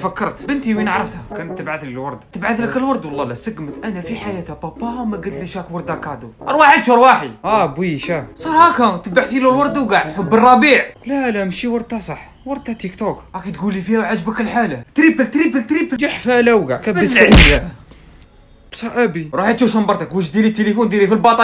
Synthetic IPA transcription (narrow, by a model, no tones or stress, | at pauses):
fækːɑɾˤt̪bənt̪iwinəʕɾˤəft̪hækænət̪ːəbʕaθllwɑɾˤd̪t̪əbʕaθləkəlwɑɾˤd̪wɑlˤːɑlæsəɡmət̪ʔænæfiħajæt̪hæbɑpɑmæɡəlt̪ləʃhækwɑɾˤd̪akaʕd̪uʔɾˤwaħəd̪ʃuɾwaħiʔæbwiʃæsˤɑɾˤhækæt̪əbaʕθilulwɑɾˤd̪wɡaʕħʊbːərˤːɑbiːʕlælæmʃiwɑɾˤd̪ɑsˤɑħ | wɑɾˤd̪æt̪ikt̪ukækit̪ɡulːifihæʕad͡ʒbəkəlħalat̪ɾipəlt̪ɾipəlt̪ɾipəld͡ʒaħfælæwɡaʕkæbəsʕijæ | bsˤɑʔæbiɾˤuħit̪ʃuʃəmbɑɾˤt̪əkwəʃd̪ilit̪ːəlifund̪ilifilbɑt̪ˤɑ